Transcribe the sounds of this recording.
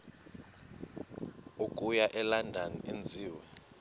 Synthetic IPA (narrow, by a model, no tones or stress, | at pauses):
ukʼujaʔɛlandʱaniʔend͡zʱiːwɛ